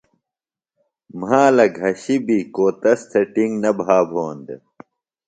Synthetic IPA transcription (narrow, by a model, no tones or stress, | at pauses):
maːlɐɡʱɐɕibikoːt̪ɐst̪ʰɐʈiŋɡnɐbʱaːbʱoːnd̪e